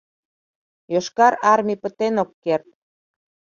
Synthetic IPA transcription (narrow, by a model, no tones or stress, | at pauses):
joʃkɑɾɑrmʲipə̆t̪enokːert̪̚